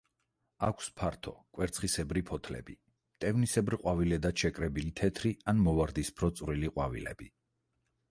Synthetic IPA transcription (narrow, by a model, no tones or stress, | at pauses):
akʷʰspʰaɾt̪ʰɔ̰kʼwɛɾt̪sʰχisɛbɾipʰɔt̪ʰlɛ̰bi | t̪ʼɛvnisɛbɾqʼwavilɛd̪at̪ʃɛkʼɾɛbilit̪ʰɛt̪ʰɾianmɔvaɾd̪ispʰɾɔt̪sʼvɾiliqʼwavilɛ̰b̥i